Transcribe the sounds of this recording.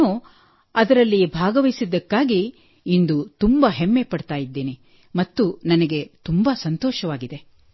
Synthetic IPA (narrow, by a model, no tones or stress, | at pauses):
u | ɐd̪ɐɾɐlːibʱaːɡɐʋɐjsid̪ːɐkːaːɡiː | nd̪ut̪umbɐɦemːepɐɽt̪aːjid̪ːeːni | mɐt̪ːunɐnɐɡe̞t̪umbɐsɐnt̪ɔːʃɐʋaːɡid̪e̞